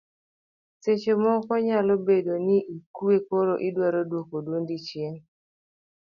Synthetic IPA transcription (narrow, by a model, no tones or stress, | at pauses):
set͡ʃomɔkɔɲalɔbedoniʔikuekoɾoʔidwaɾodwokodwondit͡ʃjeŋ